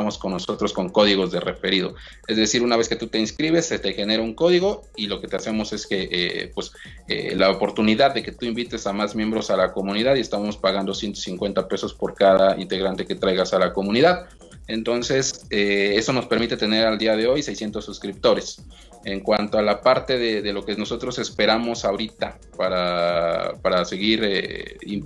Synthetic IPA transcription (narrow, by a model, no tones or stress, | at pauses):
amo̞sko̞nːo̞so̞t̪ɾo̞sko̞ŋko̞ðiɣo̞zðe̞re̞fe̞ɾiðo̞̰ | e̞zðe̞siɾunaβe̞ske̞t̪ut̪e̞inskɾiβe̞set̪exe̞ne̞ɾauŋko̞ðiɣo̞ | ilo̞ke̞t̪ease̞mo̞se̞ske̞ʔḛpwe̞s | ḛlaopo̞ɾt̪uniðaðːe̞ke̞t̪uimbit̪e̞samazmje̞mbɾo̞salako̞mũniðaðie̞st̪aβmospaɣand̪osje̞nt̪o̞siŋkwe̞nt̪ape̞so̞spo̞ɾkaðaḭnt̪e̞ɣɾant̪e̞ke̞t̪ɾajɣasalako̞mũniðað | ent̪o̞nse̞see̞so̞no̞spe̞ɾmit̪e̞t̪e̞ne̞ɾald̪iaðe̞o̞jse̞jsje̞nt̪o̞sːuskɾip̚t̪o̞ɾe̞s | e̞ŋkwant̪oalapaɾt̪e̞ðe̞ðe̞lo̞keno̞so̞t̪ɾo̞se̞spe̞ɾamo̞saoɾit̪a | paɾa | paɾase̞ɣiɾei